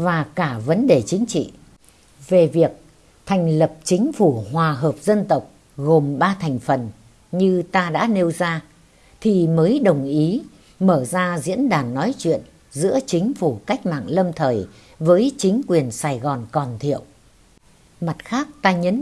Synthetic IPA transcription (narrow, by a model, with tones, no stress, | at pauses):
vaː˨˩kaː˧˩və˨˦nɗe˨˩t͡ɕï˨˦ŋ̟t͡ɕḭ˧˨ | ve˨˩vi˨˩ək̚ | t̪ʰa˨˩jŋ̟lə˨˩p̚t͡ɕï˨˦ŋ̟fu˧˩ɦwaː˨˩ɦəː˨˩p̚zə˧nt̪ə˨˩wk͡p̚ | ɣo˨˩mɓaː˧t̪ʰa˨˩jŋ̟fə˨˩n | ɲɨ˧t̪aː˧ɗa̰ː˧˥ne˧wzaː˧ | t̪ʰi˨˩məː˨˦jɗə˨˩wŋ͡mʔi˨˦ | məː˧˩zaː˧zḭ˧˥ənɗaː˨˩nːɔ˨˦jt͡ɕwḭ˧˨ən | zɨ̰˧˥ət͡ɕï˨˦ŋ̟fu˧˩ka˦˥jk̟̚ma̰ː˧˨ŋlə˧mt̪ʰəː˨˩j | vəː˨˦jt͡ɕï˨˦ŋ̟kwi˨˩ənsaː˨˩jɣɔ˨˩nkɔ˨˩nt̪ʰḭ˧˨əw | ma˨˩t̚xaː˦˥k̚t̪aː˧ɲə˨˦n